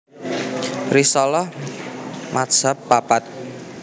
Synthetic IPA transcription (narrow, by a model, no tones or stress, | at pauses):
risɔlɔh | mʔat̪̚sapːapat̪̚